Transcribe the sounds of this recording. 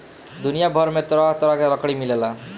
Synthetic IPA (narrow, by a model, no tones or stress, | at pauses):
d̪unijabʱʌɾmet̪ɾɔɦt̪ɔɾʌkeɾʌkɽimilela